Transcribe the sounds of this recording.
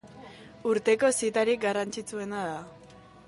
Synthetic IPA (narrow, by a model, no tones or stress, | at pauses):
uɾt̪e̞ko̞sit̪aɾik̚ɡarant͡ʃit͡sue̞naða